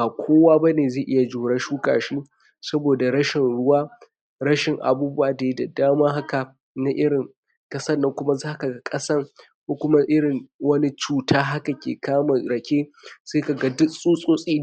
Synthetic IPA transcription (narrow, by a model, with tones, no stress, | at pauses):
baː˨kʷʰoː˦waː˦ba˦neː˨zeː˨ʔɪ˦ja˨d͡ʒu˨ɽɐ˦ʃuː˦ka̰ː˨ʃi˦ | sɐ˦boː˨da˨ɽɐ˦ʃɪ˨nɽʊ˦waː˦ | ɾɐ˦ʃɪ˨ŋʔa̰˨buː˦bʊ˦waː˨da˨ji˦da˨daː˦maː˦ɦa˦ka˨ | na˦ʔɪ˦ɽɪ˨ŋ | kʼɐ˦sɐ˦nːɐ˦ŋkʷʊ˦ma˦zaː˦ka˨ɡa˦kʼɐ˦sɐ˦r | kʷoː˦kʷʊ˦ma˦ʔɪ˦ɽɪ˨ŋwɐ˦ni˦t͡ʃuː˦taː˦ɦa˦ka˨kʲḛː˨kʰaː˦ma˨ɽɐ˨kʲeː˦seː˦ka˨ɡa˦dʊ˦sʼuː˦sʼoː˦sʼiː˦